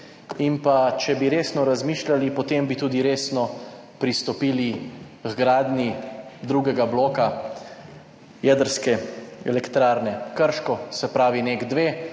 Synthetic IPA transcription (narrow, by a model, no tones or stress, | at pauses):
inpat͡ʃɛbiɾeːsnɔɾazmiːʃlalipɔt̪embit̪uːd̪iɾeːsnɔ | pɾist̪ɔpiːli | kɡɾaːd̪nid̪ɾuːɡɛɡabloːka | jɛd̪əɾskɛɛlɛkt̪ɾaːɾnɛkəɾʃkɔsɛpɾaːʋineɡd̪ʋeː